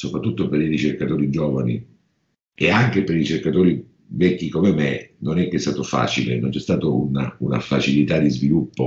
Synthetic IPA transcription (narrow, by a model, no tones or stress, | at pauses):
sopɾat̪ːut̪ːopeɾirit͡ʃerkat̪oːɾid͡ʒɔːvani | eaŋkepeɾiit͡ʃerkat̪oːɾi | vɛkːikomemenonɛkːeɛst̪aːt̪ofa̰ːt͡ʃilenont͡ʃɛst̪aːt̪ounauna̰fat͡ʃilit̪ad̪ːizvilupːo